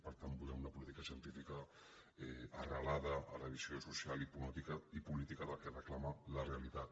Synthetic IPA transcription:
pəɾt̪ambulɛmunɐpulit̪ikəʃjənt̪ifikə | ɛːrəlaðə̰ːləβizjosusjalipumat̪ikaipulit̪ikəðəlkerəklamalərealit̪at̪

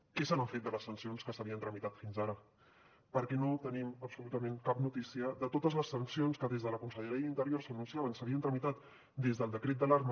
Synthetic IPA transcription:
kɛsanəɱfet̪̚d̪ələsːənsionskəsəβiənt̪ɾəmit̪at̪finzaɾə | pəɾkɛnot̪əniməpsulut̪əmẽŋkapnut̪isiəðət̪ot̪əzləsənsionskəðezðələkunsəʎəɾiəint̪əɾjoɾsənunsiaβənsəβiənt̪ɾəmit̪at̪ | d̪ezðəlˠd̪əkɾet̪d̪əlaɾmə

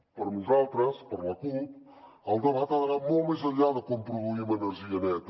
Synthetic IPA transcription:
pəɾnuzalˠt̪ɾɐspəɾlɐt̪ut̪ | alˠd̪ɐβat̪aðɐɾamomajzɐlaðɐkompɾuðuimɐenəɾʒiɐnɛt̪

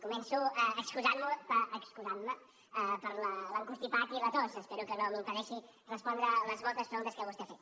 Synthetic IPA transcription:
kumɛnsuəəkskuzanməpəʔːkskuzanmə | əpəɾlələŋkust̪ipat̪ilət̪osəspɛɾukənoməmpəðɛʃi | rəspɔnd̪ɾələzβɔlˠt̪əspɾəɣunt̪əskɛwəst̪efet̪

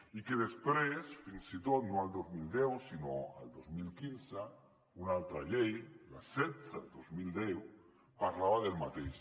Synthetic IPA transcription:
ikeðespɾesfinsit̪ot̪nõald̪ozmild̪ɛwsinoa̰ld̪ozmilkinsa | unalt̪ɾaʎejla̰sɛt̪sad̪ozmild̪ɛw | paɾlaβaðelmat̪ejs

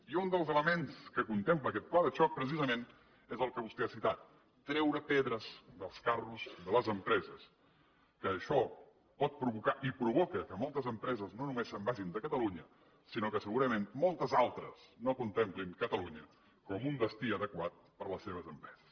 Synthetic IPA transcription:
iund̪əlˠzələmenskəkunt̪empləkɛt̪̚plaðəʃɔk̚pɾəsizəmen | ezəlˠkəβust̪ɛasit̪at̪̚ː | ɾɛwɾəpeðɾəzðəlˠskaruzðələzəmpɾɛzəs | kəːʃɔ | pɔt̪̚pɾuβukaʔipɾuβɔkəkəmɔlˠt̪əzəmpɾɛzəznonumesːəmbaʒind̪əkət̪əluɲə | sinokəsəɣuɾəmenmɔlˠt̪əzalˠt̪ɾə̰snokunt̪emplinkət̪əluɲə | kɔmund̪əst̪iəðəkwat̪̚ | pəɾləseβ̞əzəmpɾɛz̥əs

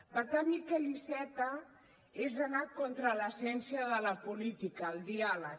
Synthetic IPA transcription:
pəɾt̪ammikelisɛt̪ə | ezənat̪̚kont̪ɾələsɛnsiəðələpulit̪ikəːlˠd̪ialə

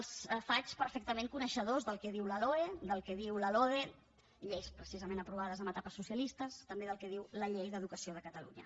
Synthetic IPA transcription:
lˠsfat͡ʃpəɾfɛk̚t̪əmeŋkunəʃəðozðəlˠkɛðiwləloed̪əlˠkɛðiwləloðe | ʎejspɾəsizəmẽnəpɾuβ̞aðəzəmət̪apəsːusiəlist̪əst̪əmbeðəlˠkɛð̞iwləʎejðəðukəsioð̞əkət̪əlṵɲə̰

